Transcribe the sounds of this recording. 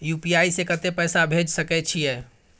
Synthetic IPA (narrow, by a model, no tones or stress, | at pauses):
jupiaisẽkət̪epəjsabʱed͡ʒsəkɛt͡ʃʰijɛ